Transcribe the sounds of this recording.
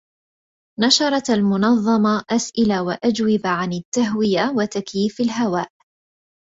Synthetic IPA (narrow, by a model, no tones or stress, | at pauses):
nɑʃɑɾˤɑt̪almʊnɑðˤːɑmɑʔasʔɪlawaʔad͡ʒwɪbaʕanɪt̪ːaɦwɪjawat̪akjiːfalɦawaːʔ